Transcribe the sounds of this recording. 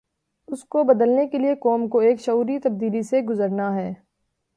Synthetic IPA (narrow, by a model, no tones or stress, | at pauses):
ʊskobɐd̪əlnekeliekɔːmkoeːkʃɐuːɾit̪ɐb̚d̪iːliseɡʊzəɾnaɦɛː